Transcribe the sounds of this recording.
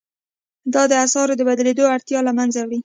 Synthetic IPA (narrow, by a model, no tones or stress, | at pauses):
d̪ɑd̪əasɑɾod̪əbad̪aled̪oaɽt̪jɑlamanzawɽi